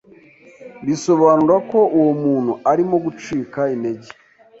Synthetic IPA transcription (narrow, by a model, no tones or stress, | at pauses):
biso̞βaːnuɾako̞uwomuːn̥huaɾimo̞ɡut͡ʃiːkainde̞ɟe̥